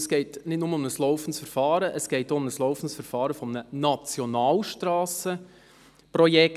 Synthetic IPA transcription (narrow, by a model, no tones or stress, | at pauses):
sɡ̥ɛɪtnɪt̚nʊməʊmnəslɔʊfən̩tsfɛɾfɑːɾəʔəsɡ̥ɛɪtʊməslɔʊfəntsfɛɾfɑːɾəfɔmənənɑt͡sjonɑːlʃtɾɑːsə | prɔjɛk